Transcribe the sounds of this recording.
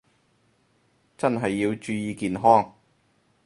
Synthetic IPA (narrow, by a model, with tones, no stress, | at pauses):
t͡sɐ˥nɦɐ˨jːiː˧wt͡ʃyː˧jiː˨˧kiː˨nɦɔː˥ŋ